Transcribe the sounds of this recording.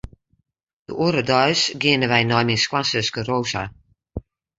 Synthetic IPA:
d̥ə̰uɾədɔɥsɡɪənəʋɛjnɔjmɪskwasəskəroːsa̰

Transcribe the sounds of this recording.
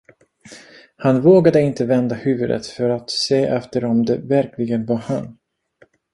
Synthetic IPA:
hanvoːɡad̪əɪnt̪əvɛnd̪ahʉ̟ːvɵd̪ə̰t̪fœɾat̪seːʔɛft̪əɾɔmd̪ɛvæɾklɪɡənvahan

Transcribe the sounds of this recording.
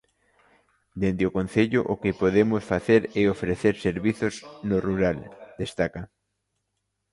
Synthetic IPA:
d̪end̪ɪokon̟θeʎʊʔokɪpoðemʊsfaθeɾɛofɾeθeɾseɾβiθʊznoruɾald̪est̪aka

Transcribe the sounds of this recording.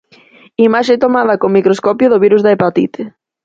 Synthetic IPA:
imaʃet̪omaðɐkomikɾoskɔpjʊðoβiɾuzðaepat̪ḭt̪e

